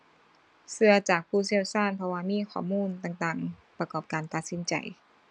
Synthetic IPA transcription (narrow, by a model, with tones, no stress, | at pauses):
sɯ˧ɐt͡ɕaː˨˩k̚pʰuː˧˥˩si˧˩ə˨wsaː˥˩˨npʰɔ˧waː˧miː˧˥˨xʰɔː˧˩muː˧˥˨nt̪aː˨˩ŋt̪aː˨˩ŋ | pɾa˧kɔː˨˩p̚kaː˨˧nt̪a˨˩t̪̚si˨˦nt͡ɕa̰˨˧˩j